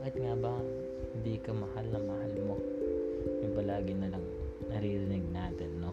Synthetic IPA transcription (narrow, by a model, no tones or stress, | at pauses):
ʔɐt̪ŋaːbɐ | hɪnd̪iːkɐmɐhalnɐŋmɐhalmo̞ | jʊŋpɐlaːɡɪnɐlɐŋ | nɐɾiːɾɪnɪɡ̚naːt̪ɛnːo